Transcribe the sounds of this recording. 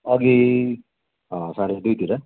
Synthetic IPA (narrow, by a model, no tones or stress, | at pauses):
ʌɡi | ɦʌ̃sãɾed̪ujt̪iɾʌ